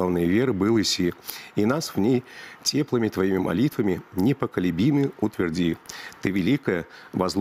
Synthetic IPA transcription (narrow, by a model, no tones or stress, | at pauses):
avnɨjəvʲe̞ɾɨbɨlˠɨsʲiinasvnʲejtʲeplˠɨmʲɪt̪vɐimʲɪmʔɐ̰lʲit̪vəmʲɪnʲɪpəkəlʲɪbʲimɨʊt̪vʲɪrdʲit̪ɨvʲɪlʲikəjəvɐzlˠ